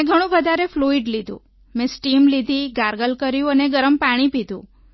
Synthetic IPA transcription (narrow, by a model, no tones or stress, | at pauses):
ẽɡʱəɽ̃ũʋəd̪ʱaɾefluiɖlid̪ʱṵ̃ | mẽsʈimlid̪ʱiɡaɾɡəlkəɾjũəneɡəɾəmpaɽ̃ipid̪ʱṵ̃